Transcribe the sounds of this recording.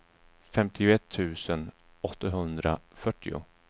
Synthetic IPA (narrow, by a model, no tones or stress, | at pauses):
fɛmt̪ʰɪʊɛt̪ʰːʉ̟ːsən | ɔt̪ːaɦɵnd̪ɾafœʈːɪʊ̰